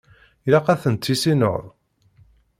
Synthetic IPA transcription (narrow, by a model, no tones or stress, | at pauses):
lɑqæθənt̪ʰːisino̰ðˤ